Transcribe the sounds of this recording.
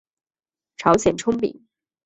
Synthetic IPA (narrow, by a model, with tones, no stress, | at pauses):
ʈ͡ʂʰɑ˧˥ʊɕjɛ˨˩nʈ͡ʂʰʊ˥ŋpḭ˨˩˦ŋ